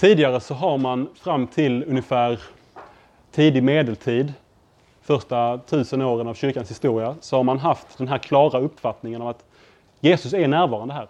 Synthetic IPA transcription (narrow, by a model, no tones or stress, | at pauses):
t̪ʰiːd̪ɪɡaɾəsɔɦaɾmanfɾamːt̪ʰɪlɵnjəfæːɾ | t̪ʰiːd̪ɪmeːd̪əlt̪ʰiːd̪ | fœʂtʈat̪ʰʉ̟ːsənoːɾənavɕʏɾkanshɪst̪uːɾɪasɔhaɾmanɦaft̪d̪ɛnɦæːɾkʰlɑːɾaɵpːfat̪nɪŋənɔvat̪ | jeːsɵsænæːɾvɑːɾand̪əɦæːɾ